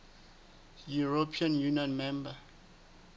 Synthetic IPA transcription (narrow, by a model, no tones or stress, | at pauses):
juɹopʰiãnjuniɔ̃nmɛ̃mbə